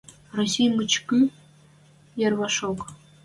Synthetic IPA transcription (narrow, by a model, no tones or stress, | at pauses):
rosʲijmɨt͡ɕky | jɑrβɑʂok